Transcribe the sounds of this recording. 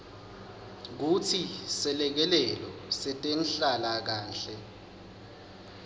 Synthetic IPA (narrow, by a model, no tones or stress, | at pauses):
k̬utʰisɛlɛk̬ɛlɛlɔsɛtʼenɬalak̬aːnɬɛ